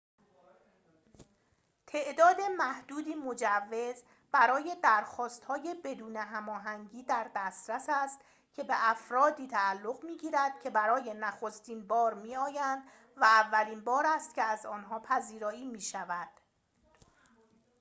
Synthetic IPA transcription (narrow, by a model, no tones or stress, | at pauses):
t̪ʰe̞ʔd̪ɒːd̪e̞mæhd̪̥uːd̪iːmo̞d͡ʒævːe̞z | b̥æɾɒːje̞d̪æɾxɒːst̪hɒːje̞be̞d̪uːneɦæmɒːɦæŋɟiːd̪æɾd̪æst̪ɾæsæst̪ | cʰe̞be̞ʔæfɾɒːd̪iːt̪ʰæːlːo̞ɣmiːɟiːɾæd̪̥̚cʰe̞bæɾɒːje̞næxo̞st̪iːnbɒːɾmiːɒːjænd̪̥ | væːvːæliːnbɒːɾæst̪̚cʰe̞æzɒːnɦɒːpʰæziːɾɒːiːmiːʃævæd̪̥